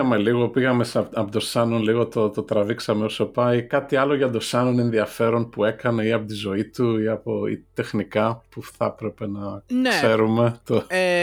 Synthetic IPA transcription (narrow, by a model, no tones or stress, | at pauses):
ɐme̞liɣo̞piɣɐme̞sɐpot̪o̞sɐno̞nliɣo̞t̪o̞t̪o̞t̪ɾɐviksɐmeosopɐjkɐt̪iɐlo̞ʝɐd̪o̞sɐno̞ne̞nðiɐfe̞ɾo̞npue̞kɐne̞iɐpo̞t̪izo̞it̪uiɐpoḭt̪e̞xnikɐpuθɐpɾe̞pe̞nɐnse̞ɾume̞t̪o